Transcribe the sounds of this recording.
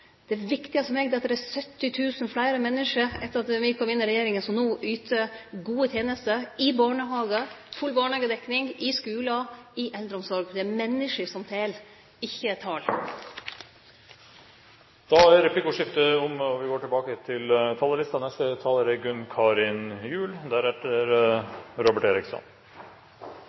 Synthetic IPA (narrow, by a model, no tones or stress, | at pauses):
d̪̥ɛʋɪkt̪ɪəsɔmɛːɡd̪ɛɑt̪ːd̪ɛɾæsœt̪ːɪt̪ʰʉːsən̩flæɪɾəmɛnːɪʂəɾɛt̪ːəɾɑt̪ʋɪkʰɔmɪnːɪɾɛjeːɾɪŋənsɔmnuːʔyːt̪ʰəɡuːət̪ʰjeːnəst̪əɪbɑːɳəɦɑːɡəfʉlbɑːɳɑːɡəd̪ɛknɪŋɪskʉːlɑɪʔɛld̪ɾəɔmsɔɾɡd̪ɛæmɛnːɪʂəsɔmt̪ʰeːl | ɪçːət̪ʰɑːl | d̪̥ɑæɾɛpʰlɪkuːʂɪft̪əɔmɔʋɪɡoːʈɪlbɑːkət̪ʰɪlt̪ʰɑːləlɪst̪ɑnɛst̪ət̪ʰɑːləɾəɡʉnkʰɑːɾɪnjʉːld̪æɾæʈəɾɾɔbəʈeːɾɪksɔ̰n